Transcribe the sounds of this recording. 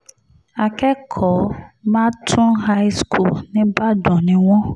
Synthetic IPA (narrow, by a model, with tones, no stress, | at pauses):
a˨kɛ˦kʰɔ˨˦mãː˦tʰʊ̃˦ɦa˦jskʰu˦˨lnĩ˦ba˦dɔ̃˨nĩ˦w̃ɔ̃˦